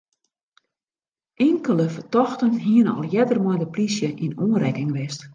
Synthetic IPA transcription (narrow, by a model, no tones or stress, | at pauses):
ʔɪŋkələfərtɔxtənɦiənɔ̰lˠjɛdərmɔjdəplisjəʔinoənrɛkɪŋʋɪst